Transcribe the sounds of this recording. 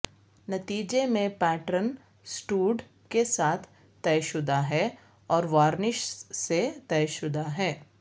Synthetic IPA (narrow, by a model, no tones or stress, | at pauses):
nɐt̪iːd͡ʒemẽpɛːʈɾən | sʈuːɖ | kesaːt̪ʰː | ɛjʃʊd̪aɦɛː | ɔːɾʋaːɾnɪʃset̪ɛjʃʊd̪ʱaɦɛː